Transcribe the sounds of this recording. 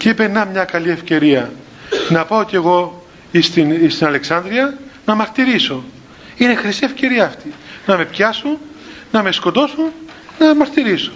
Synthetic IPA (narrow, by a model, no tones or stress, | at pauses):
ceipenːɐmɲɐkɐlie̞fce̞ɾiɐ | nɐpɐoce̞ɣo̞ | ist̪inist̪inɐle̞ksɐnd̪ɾiɐnɐmɐɾt̪iɾiso̞ | ine̞xɾisie̞fce̞ɾiɐːft̪inɐme̞pçɐsun | nɐme̞sko̞t̪o̞sun | nɐmɐɾt̪iɾiso̥